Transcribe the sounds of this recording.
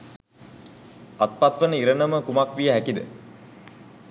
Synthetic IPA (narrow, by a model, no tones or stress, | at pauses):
at̪̚pat̪ʋənəiɾənəməkumakʋijəɦækid̪ə̰